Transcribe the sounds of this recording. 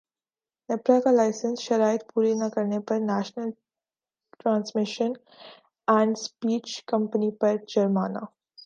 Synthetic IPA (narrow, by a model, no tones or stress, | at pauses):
nepɾakalajsənsʃəɾajt̪̚puɾinakəɾɳepəɾnæʃnəl | ʈɾãnsmiʃən | æ̃ɳɖspiːt͡ɕkəmpənipəɾd͡ʑəɾmana̰